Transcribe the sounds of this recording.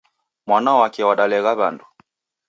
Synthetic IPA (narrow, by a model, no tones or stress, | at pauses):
mwanawakɛwaɗalɛɣaβa̰ndu